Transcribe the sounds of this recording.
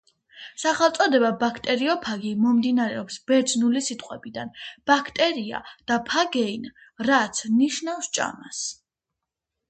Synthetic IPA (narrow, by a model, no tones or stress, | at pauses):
saχɛlˠt̪sʼɔd̪ɛbabakʰt̪ʼɛɾiɔpʰaɡimɔmd̪inaɾɛɔpsb̥ɛɾd͡ʒnulisit̪ʼqʼwɛbid̪anb̥akʰt̪ʼɛɾia̰d̪̥apʰaɡɛinɾat̪sʰniʃnafst͡ʃʼa̰ma̰s